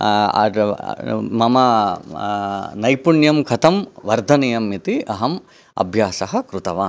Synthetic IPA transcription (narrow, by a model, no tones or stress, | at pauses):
ɐ̰ | mɐmɐ | nɐjpuɳjɐmkʰɐt̪ɐmʋɐɾd̪ʱɐnijɐmːit̪iɐɦɐm | ɐ̰bʱjaːsɐɦɐ̆kɾut̪ɐʋaːn